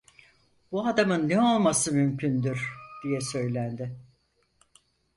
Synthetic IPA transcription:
b̥uad̪amɯnːɛo̞lˠmasɯmymcʰynd̪yɾd̪̥ijɛsø̞jlʲænd̪ɪ

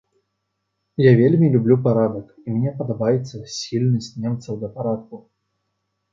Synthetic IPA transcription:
javʲelʲmʲilʲublʲupaɾad̪ɐk | imʲnʲɛpɐd̪abajɛt̪sːɐsʲilʲnɐsʲtʲt͡sʲnʲɛmt̪sɐwd̪ɐpaɾat̪̚ku

